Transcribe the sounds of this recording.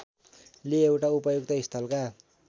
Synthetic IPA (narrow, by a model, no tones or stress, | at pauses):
liewʈaupʌjok̚t̪ʌɦist̪ʌlka